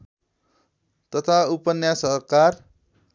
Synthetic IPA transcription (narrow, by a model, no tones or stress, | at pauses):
t̪ʌt̪ʰaupʌnjasʌɦkar